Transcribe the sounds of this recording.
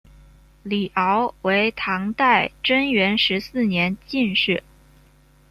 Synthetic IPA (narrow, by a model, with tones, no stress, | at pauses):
li˨˩ʔɑ˧˥ʊwe˧˥ɪt̪ʰɑ˧˥ŋt̪a˥˩ɪʈ͡ʂə˥nɥɛ˧˥nʂɻ̩˧˥sɹ̩˥˩njɛ˧˥nt͡ɕi˥˧nʂɻ̩˥˩